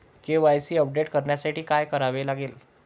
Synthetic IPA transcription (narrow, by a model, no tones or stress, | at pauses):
keʋajsiːəp̚ɖeʈkəɾɳjasaʈiːkajkəɾaʋelaɡel